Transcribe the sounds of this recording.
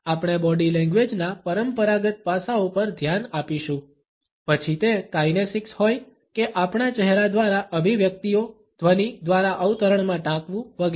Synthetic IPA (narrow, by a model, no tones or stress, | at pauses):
apɳ̃ebɔɖilɛ̃ŋɡʋed͡ʒnapəɾəmpəɾaɡət̪̚pasaupəɾd̪ʱjanapiʃũ | pət͡ʃʰit̪ekajnesɪkshoj | keʔapɳ̃at͡ʃɛɦɾad̪ʋaɾaʔəbʱiʋjək̚t̪io | d̪̥ʱʋənid̪ʋaɾaʔəʋt̪əɾəɳmãʈãkʋũʋəɡ